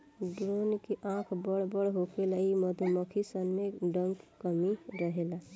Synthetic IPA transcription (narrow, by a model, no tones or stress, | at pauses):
ɖɾonkeʔãkʰbəɽbəɽɦokelaiməd̪ʱməkʰisənmeɖəŋkkəmiɾəɦela